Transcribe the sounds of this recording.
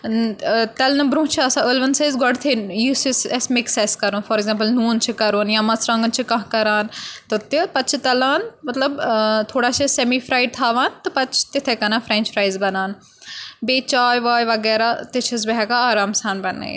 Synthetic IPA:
t̪ɐlnɐbɾũːt͡ʃʰɐsãəlʋɐnsaːzɡɔɽt̪ʰejisisɛsmɪkseskɐɾoːnfʰɔːɾeɡzẽmpəlnuːnt͡ʃʰikɐɾoːnjãːmɐt͡sʰɾãŋɡənt͡ʃʰikɐ̃ɦkɐɾaːnt̪ɨt̪ipɐt͡ʃʰit̪ɐlaːnmɐt̪lɐbt̪ʰoːɽaːʃesɛmifɾaːɪɖ̚t̪ʰaːʋaːnt̪ɨpɐt͡ʃʰt̪ɪt̪ʰekɐnãːfʰɾɛ̃ːnt͡ʃfʰɾaːjzbɐnaːn | beːt͡ʃaːjʋaːjʋɐɡɛːɾaːt̪ɪt͡ʃʰɐs̬bɐɦɛːkaaːɾaːmsaːnbɐn̰ḛ

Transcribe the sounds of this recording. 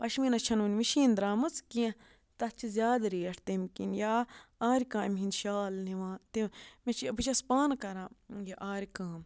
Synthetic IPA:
pɐʃminɐt͡ʃʰɐnʋunʲmiʃiːnd̪ɾaːmɨt͡skĩɐ̃ | t̪ɐt͡ʃʰizʲjaːd̪ɾiːɐʈʰt̪emkḭnjaaːɾikãːimʲɦinʃaːlniʋãːt̪imit͡ʃibɨt͡ʃɐspaːnkɐɾãːjaʔaːɾikãːm

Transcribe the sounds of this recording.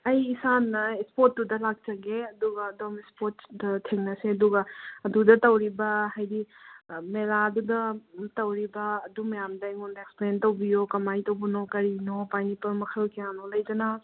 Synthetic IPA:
ɐjisanːɐespot̚dudɐlak̚t͡ʃɐɡeɐduɡɐːdomispotdɐtʰeŋnɐseɐduɡɐɐdudɐtɐwɾibɐhajdimeladudɐtɐwɾibɐːdumɐjamdɐjŋundɐeksplentɐwbijokɐmajtɐwbunokɐɾinopajnipɐɾmɐkʰɐlkejanolɐjd͡ʒɐna

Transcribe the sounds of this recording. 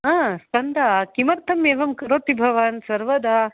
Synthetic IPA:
ãːskɐnd̪akimɐɾt̪ʰɐmeːʋɐmkɐɾoːt̪ibʱɐʋaːnsɐɾʋɐd̪aː

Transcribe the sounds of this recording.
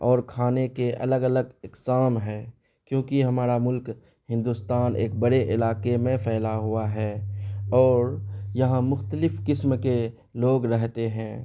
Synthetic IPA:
ɔːɾkʰaːnekeʔɐ̰ləɡələɡɪksaːmɦɛ̃ː | kjõːkiɦɐmaːɾamʊlk | hɪ̃nd̪uːst̪aːnʔḛːk̚bəɽeʔɪlaːkemẽpʰɛːlaɦuaɦɛːɔːɾjɐɦãmʊxt̪əlɪfkɪsmke | loːɡɾɛɦt̪eɦɛ̃ː

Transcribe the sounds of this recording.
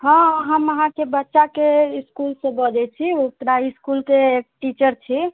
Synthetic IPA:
ɦə̃ɦəməɦãkebətːʃakeiskulsẽbəd͡ʒɛt͡ʃʰiok̪ɾaiskulteʈit͡ʃəɾt͡ʃʰi

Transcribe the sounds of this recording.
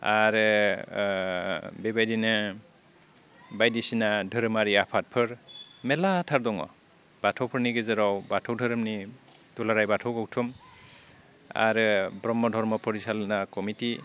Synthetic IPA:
aɾ | bebajdinɯ | bajdisinadʱɯɾɯmaɾiapʰat̚pʰɯɾmɛlatʰaɾdɔŋɔ̰ | b̥atʰɔwpʰɯɾniɡezɯɾɔwbatʰɔwdʱɯɾɯmni | tulaɾajbatʰɔwkɔk̚tʰum | a̰ɾbɾɔmːɔdʱɔɾmɔpʰɔɾisalnakɔmiti

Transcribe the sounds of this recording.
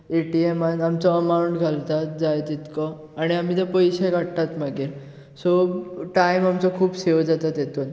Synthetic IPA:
eʈiemanamt͡sɔəmauɳʈɡʱalt̪at̪d͡zajt̪it̪kɔ | aɽ̃iam̤iːt̪epəjɕeɡaʈt̪at̪maɡeɾ | sɔʈaimamt͡sɔkʰuːbsewd͡zat̪at̪jet̪uːn

